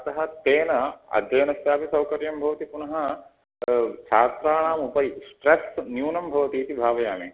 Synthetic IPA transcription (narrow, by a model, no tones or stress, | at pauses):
ɐt̪ɐɦɐ̆t̪eːnɐɐ̰d̪ʱjɐjɐnɐst̪jaːpisɐwkɐɾjɐmbʱɐʋɐt̪ipunɐɦɐ | t͡ʃʰaːt̪ɾaːɳaːmupɐisʈɾesnjuːnɐmbʱɐʋɐt̪iːt̪ibʱaːʋɐjaːmi